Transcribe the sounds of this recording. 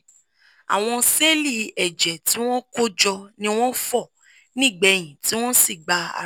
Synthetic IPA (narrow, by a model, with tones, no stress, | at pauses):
a̰˨w̃ɔ̃˧se˦li˦˨ɛ˨d͡ʒɛ˨ti˨˦w̃ɔ̃˦ko˦d͡ʒɔ˧nĩ˦w̃ɔ̃˦fɔ˦˨ | nĩ˦˨ɡ͡bɛ˨˧j̃ĩ˨ti˨˦w̃ɔ̃˦si˦˨ɡ͡ba˨˧a̰˨